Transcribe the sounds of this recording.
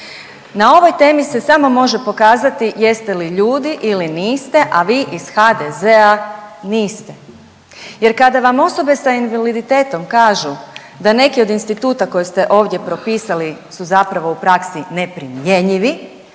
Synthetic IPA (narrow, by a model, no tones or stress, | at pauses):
nao̞ʋo̞jt̪e̞ːmise̞samo̞mo̞ʒe̞po̞kaːzat̪ije̞st̪e̞liʎuːd̪iʔiliniːst̪e̞ʔaʋiːʔiz̥xad̪ezeaniːst̪e̞ | je̞ɾkad̪aʋamo̞so̞be̞sainʋalid̪it̪e̞ːt̪o̞mkaːʒu | d̪ane̞kio̞d̪inst̪it̪uːt̪ako̞jest̪e̞ʔo̞ːʋd̪ʲje̞pɾo̞piːsalisuzapɾaʋo̞upɾaksine̞pɾimjeɲiʋi